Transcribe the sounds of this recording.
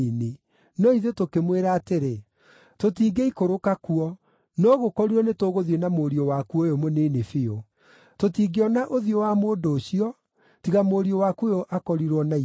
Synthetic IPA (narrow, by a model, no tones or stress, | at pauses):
ne | nɔiðetokemweɾaːteɾe | totiːɡeikoɾokakuɔ | nɔɣokɔɾuɔnetoɣoðjenamoɾiowakuojomoneːnefeo | totiːɡeɔnaʔoðiowamoːdoːɕiɔ | tiɣamoɾiowakuojoʔakɔɾiɾwɔnai